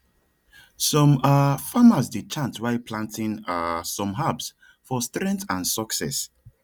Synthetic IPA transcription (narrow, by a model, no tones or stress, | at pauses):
sɔ̃mafamasdit͡ʃãntwaɪpʰlãntʰĩŋasɔ̃mɦabs | fɔstɹɛ̃ntãnsɔksɛ̰s